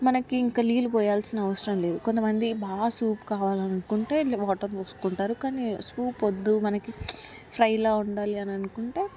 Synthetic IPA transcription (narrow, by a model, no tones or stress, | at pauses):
mɐnɐkiːŋkaliːlupɔːjaːlsinɐɐʋɐsɾɐmle̞ːd̪ukont̪ɐmɐnd̪ibaːsuːpkaːʋaːlɐnɐnukuɳʈe̞ːlbɔːʈɐɾnosu̥kuɳʈaːɾukaːniskuːpod̪ːumɐnɐki | pʰɾɐjlaːuɳɖaːliɐnɐnukuɳʈe̞ː